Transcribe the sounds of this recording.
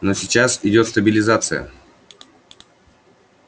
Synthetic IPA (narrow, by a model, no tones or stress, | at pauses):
nosʲɪt͡ɕasɪdʲo̞t̪st̪əbʲɪlʲɪzat̪sɨjə̰